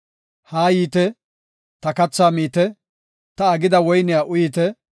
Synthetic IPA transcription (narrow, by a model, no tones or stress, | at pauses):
haːjiːt̪ɛ | t̪ɐkɐt͡sːaːmiːt̪ɛ | t̪ɐːɡɪd̪ɐwɔjnɪjaːʔʊjiːt̪ɛ